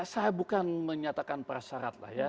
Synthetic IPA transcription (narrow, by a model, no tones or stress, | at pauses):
sajabukanməɲat̪akanpəɾasaɾa̰t̪̚la̰hja